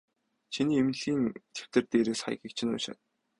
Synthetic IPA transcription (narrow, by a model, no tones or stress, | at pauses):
t͡ɕʰiniːem̆ɮɣiːnt̪ʰe̥w̥t̪ɘ̆rt̪eːɾeːsχa̰jɣiːk̚t͡ɕʰɪ̆nʊ̰ːʃă̰t̪